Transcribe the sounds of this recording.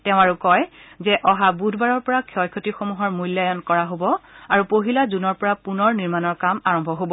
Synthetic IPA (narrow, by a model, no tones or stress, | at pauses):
tɛʊ̃aɹukɔjzɛʔɔɦabudʱbaɹɔɹpɔɹakʰjɔjkʰotixomuɦɔɹmujljajɔnkɔɹaɦobɔaɹupoɦilazunɔɹpɔɹapunɔɹniɹmanɔɹkamaɹɔmbʱɔɦobɔ